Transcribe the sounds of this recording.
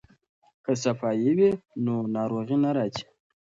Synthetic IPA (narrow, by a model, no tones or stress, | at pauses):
kəsafajiwenonɑɾoɣinaɾɑti̥